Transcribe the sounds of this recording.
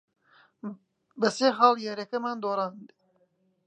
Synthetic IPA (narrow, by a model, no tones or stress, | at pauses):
bɐseːɦɑːlˠjaːɾɐkɐmaːnd̪oːɾˤɑːnd̪